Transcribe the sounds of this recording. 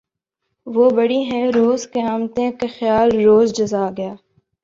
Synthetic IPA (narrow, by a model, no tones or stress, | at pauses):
ʋoːbɐɽiɦɛ̃ɾoːzkeaːmt̪ẽkexɪjaːlɾoːzd͡ʒɐzaːɡɐjaː